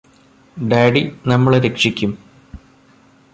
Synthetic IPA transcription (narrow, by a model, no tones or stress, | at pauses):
ɖeːɖinɐmːɐɭɾe̞kʂikʲːum